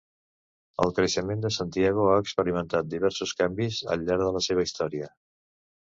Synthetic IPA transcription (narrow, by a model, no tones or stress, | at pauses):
ə̰lˠkɾəʃəmend̪əsant̪iɛɣ̞oaəkspəɾimənt̪at̪̚d̪iβɛɾsuskambizə̰ʎːaɾðələseβ̞əist̪ɔɾiə